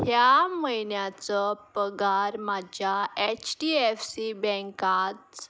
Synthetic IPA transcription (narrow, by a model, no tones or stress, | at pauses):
hjaməjnjat͡sɔpəɡaɾmad͡ʑjaet͡ɕʈiefsibɛ̃ŋkat̪